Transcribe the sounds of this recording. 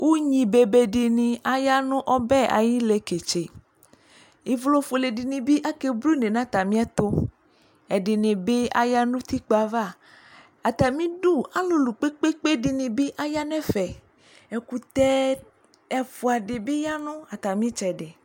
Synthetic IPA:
wʔo˦ɲĩ˨be˨be˨ɖi˨nĩ˨a˦ja˦nũ˦ʔɔ˦bɛ˦a̰˨ji˦le˨ke˨t͡ʃe˨ | i˨vlo˦fo˨le˨ɖi˨nĩ˨bi˦ʔa˦ke˨blu˦ne˨nã˦t̪a˨mĩ˦a˦t̪o˦ | ɛ˨ɖi˨nẽ˨be˦a̰˦ja˦nũ˦t̪i˦k͡pa˨va˦˨ | a˨t̪a˨mĩ˦du˦a˦lo˨lu˨k͡pe˦k͡pe˦k͡pe˦di˨nĩ˨be˦ʔa˦ja˦nɛ̃˦fɛ˨ | ɛ˨ku˨t̪ɛ˦ | ɛ˦fu˨a˨ɖe˨be˦ja˦nɔ̃˦a˨t̪a˨mĩ˦t͡ʃɛ˨ɖe˨

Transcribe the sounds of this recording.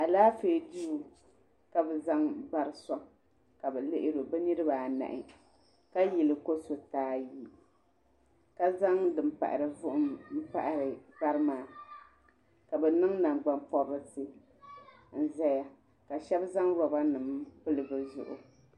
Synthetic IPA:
a˨laː˦feː˨du˦˨ | ka˦bɛ˨za˦ŋba˦ɾɨ˦sɔ˦ | ka˨bɛ˨lɪ˦ʔɪ˦ɾo˨bɛ˦nɨ˦ɾɨ˦baː˨na̰˨ʔɪ˨ | ka˦ji˨lɨ˨ko˦so˨taː˦ji˦˨ | ka˦za˦ŋdɨ˨m̩pa̰˨ʔa̰˨ɾɨ˨vʊ˦ʔʊ˦mm̩˦pa˦˨ʔa˨ɾɨ˨ba˦ɾɨ˦maː˨ | ka˨bɛ˨nɨ˦ŋna˨ŋɡ͡ba˦mpɔ˦bɨ˦sɨ˦ | n̩˦zɛ˦ja˨ | ka˨ʃɛ˦bza˦ŋɾɔ˨ba˦nɨ˨mpɨ˦lɨ˨bɨ˨zʊ̰˨ʔʊ̰˨

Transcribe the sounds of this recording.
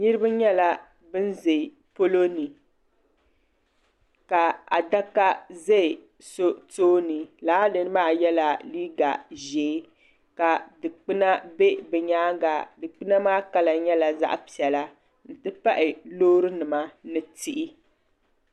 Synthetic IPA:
ni˦ɾɨ˦ba˦ɲɛ˦la˦ | bɨ˦nze˨ | po˦lo˦ni˨ | ka˨a̰˨da˦ka˦zɛ˦˨ | so˦toː˦ni˨laː˦dɨ˨n˦maː˦˨jɛ˦la˨li˦ɡa̰˨ʒeː˨˦ | ka˨dɨ˨k͡pɨ˦na˦be˦bɛ˨ɲaː˦ɡa˨dɨ˨k͡pɨ˦na˦maː˦ka˦la˨ɲɛ˦la˨za̰˦ʔpi˨ɛ˨la˦ | n̩˨tɨ˦pa˦ʔɪ˨loː˦ɾɨ˦nɨ˨ma˦nɨ˦ti˦ʔi˦

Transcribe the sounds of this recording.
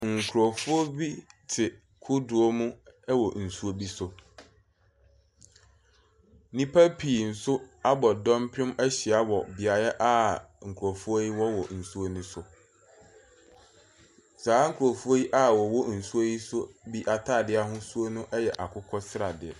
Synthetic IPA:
ŋ̩˨kʰʊ˨ɾɔ˨fʊ˦o˦bi˦tʰɪ˨ | kʰʊ˦dʊ˨ɔ˦mʊ̃˦ɛ˦wɔ˨n̩˨su˦o˦bi˦sʊ˨ | nĩ˦pʰa˦pʰi˨n̩˨sʊ˦a˦bɔ˨dɔ̃˦mpʰʊ̃˦mɛ˦ɕi˨a˦wɔ˨bɪ˨a˨ɾa˦ʔa˦ŋ̩˨kʰu˨ɾɔ˨fʊ˦o˦ji˦wɔ˦wɔ˨n̩˨su˦o˦nʊ̃˦sʊ˨ | saː˨˦ŋ̩˦kʰu˨ɾo˨fu˦o˦ji˦ʔa˦wɔ˨wɔ˦n̩˨su˦o˦ji˦sʊ˦bi˦ʔa˨tʰaː˦˨dɪ˦a˨ɦʊ̃˦su˦o˦nʊ̃˦ʔɛ˦jɛ˨ʔa˨kʰʊ˦kʰɔ˦sɪ˦ɾa˨dɪ˨ɛ˨

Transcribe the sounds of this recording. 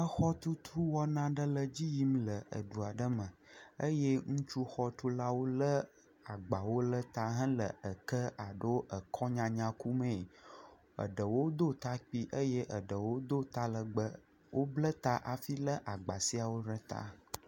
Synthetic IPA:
ə˦xɔ˦t̪u˦t̪ʰɾu˦wɔ˦nã˦ɖə˦lə˦d͡ʑi˦ji˦mlə˨ə̰˨ɖu˨a˨ɖə˦mə̃˨ə˦je˦ŋũ˦t͡ʃu˦xɔ˦t̪u˦la˦wo˦lə˦ | a˨ɡ͡ba˨wo˦lə˦t̪a˦ɦə̃˦lə˨ə˨kə˦a˨ɖo˦ə˨kʰɔ˦ɲã˨ɲã˦ku˦mə̃˨ | ə̰˨ɖə˨wo˦d̪o˦t̪a˦k͡pi˦ʔə˦je˦ʔə˨ɖə˨wo˦d̪o˦t̪a˦lə˨ɡ͡bə˦ | wʔo˦blə˦t̪a˦ʔa˨fi˦lə˦ʔa˨ɡ͡ba˨si˦a˨wo˦ɖə˦t̪a̰˦

